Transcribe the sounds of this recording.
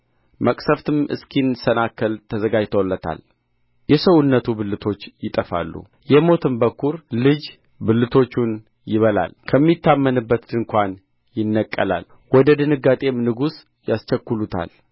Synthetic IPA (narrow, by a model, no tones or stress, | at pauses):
məkʼsəft̪ʰɨmɨ̰skʰinsənakːəlt̪ʰəzəɡad͡ʒt̪ʰolːət̪ʰa̰l | jɛsəwnːət̪ʰubɨlːɨt̪ʰo̞t͡ʃːjɪt̪ʼəfa̰lːṵ | jɛmo̞t̪ʰɨmbəkʰːuɾlɨd͡ʒ | bɨlːɨt̪ʰo̞t͡ʃːun | jɪβəla̰lkʰəmːit̪ʰːamːənɨbːət̪d̪ɨŋkʷan | jɪnːəkʼːə̰la̰l | wɔd̪əd̪ɨnɨɡːat̪ʼe̞mnɨɡus | jast͡ʃəkːulut̪ʰa̰l